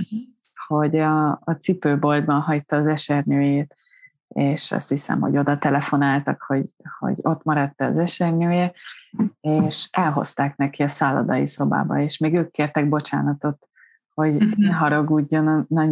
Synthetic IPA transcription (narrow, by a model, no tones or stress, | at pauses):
ho̞ɟɒːt̪sipøːbo̞ld̪bɒnɦɒjt̪ːɒːzɛʃɛrnøːjeːt̪ | eːʃɒ̰st̪hisɛ̰mho̰ɟo̞d̪ɒt̪ɛlɛfo̞naːlt̪ɒkho̞ɟho̰ɟo̞t̪mɒɾɒt̪ːɛɒ̰zɛʃɛrnøːje | eːʃɛlɦo̞̰st̪aːknɛkiɒsaːlɒ̰d̪ɒjḭso̞ba̰ːbɒ̰eːʃmeːɡøːkːeːrt̪ɛɡ̚bo̞t͡ʃa̰ːnɒt̪o̞t̪ | ho̞ɟenɦɒɾɒɡuːɟːo̞nnɒ